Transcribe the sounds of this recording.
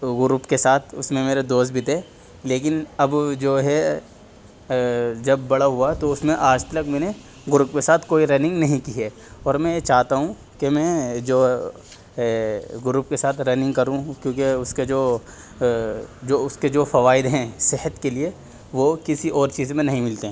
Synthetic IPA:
ɡʊɾuːpkesaːt̪ʰʊsmẽmeːɾed̪oːst̪̚bʱit̪eː | leːkɪnɐbd͡ʒoːɦɛ | d͡ʒɐbːɐɽaɦʊat̪oʊsmẽʔaːd͡ʒt̪ɐləkmɛːne | ɡʊɾuːpkesaːt̪ʰkoːiɾɛːnɪ̃ŋɡnɐɦĩkiɦeː | ɔːɾmɛ̃t͡ʃaːɦt̪aɦũ | kemɛ̃d͡ʒoː | ɡʊɾupkesaːt̪ʰɾɛːnɪ̃ŋɡkɐɾũkjõːkeʊsked͡ʒoː | d͡ʒoːʊsked͡ʒoːfɐʋaːɪd̪ɦɛ̃sɪɦət̪kelie | ʋokɪsiʔɔːɾt͡ʃiːzmẽnɐɦĩmɪlt̪eɦɛ̃ː

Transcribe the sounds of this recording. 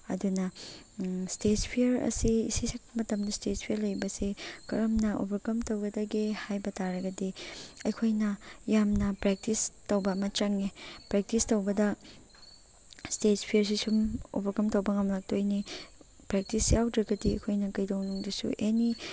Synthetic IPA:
ɐdunɐ | stetpʰiɐɾɐ̰siisisik̚pɐmɐtɐmdɐstetpʰijɐɾlɐjbɐsikɐɾɐmnɐʔo̰bʱɐɾkɐmtɐwɡɐdɐɡehajbɐtaɾɐɡɐdiɐjkʰojnɐjamnɐpɾek̚tistowbɐːmɐt͡ʃɐŋepɾek̚tistowbɐdɐ | stetpʰijɐɾs̬isumo̰bʱɐɾkɐmtɐwbɐŋɐmlak̚tojni | pɾek̚tisjawdɾɐɡɐdiɐ̰jkʰojnɐkɐjdowŋnuŋdɐsṵʔeni

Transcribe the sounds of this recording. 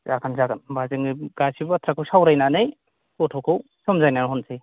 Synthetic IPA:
zaɡanzaɡanbazɯŋɡasibatʰɾakʰawsawɾajnanɯj | kɔtʰɔkʰaw | sɔmzajnanɦɔnsʰej

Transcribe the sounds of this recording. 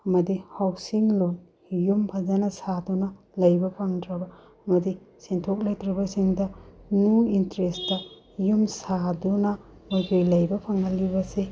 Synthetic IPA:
ɐmɐdihawsiŋlon | jumpʰɐzanɐsadunɐ | lɐjbɐpʰaŋdɾɐbɐ | ɐmɐdi | sentʰok̚lɐjtɾɐbɐsiŋdɐnuintɾestɐ | jumsadunɐmojkʰojlɐjbɐpʰaŋɐlːibɐse

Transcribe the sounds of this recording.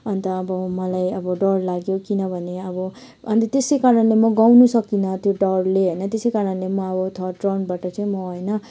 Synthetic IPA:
ʌnt̪ʌːbʌmʌlajʌbʌɖʌrlaɡjokinʌbʱʌneʌbʌ | ʌnt̪ʌt̪esʌjkaɾʌnlemʌɡawnusʌkinʌt̪joɖʌrleɦʌjnʌt̪esʌjkaɾʌnlemʌʌbʌt̪ʰʌʈrʌnbaʈʌt͡saĩmʌɦʌjnʌ

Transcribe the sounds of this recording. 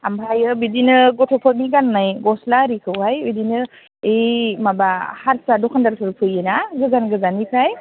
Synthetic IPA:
ambʱajɯbidinɯɡɔtʰɔpʰɔt̚miɡanːajɡɔslaɾikʰɯwhajbidinɯ | emabahaɾsadɔkʰandaɾtʰɯɾpʰɯjɯnaɡɯzanɡɯzanipʰaj

